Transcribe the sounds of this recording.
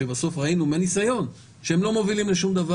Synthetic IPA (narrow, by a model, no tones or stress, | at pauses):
ebaso̞fʁainumenisajo̞n | ʃeemlo̞mo̞vilimleʃumd̪ava